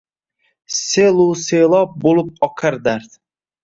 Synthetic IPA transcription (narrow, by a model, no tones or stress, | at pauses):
selˠuselˠɒp̚bolˠɪp̚ɒqʰaɾd̪aɾt̪